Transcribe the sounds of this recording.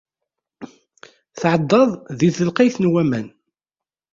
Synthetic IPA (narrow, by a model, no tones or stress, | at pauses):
θʕəd̪ˤːɑðˤðiθəlqiθnwæmæ̰n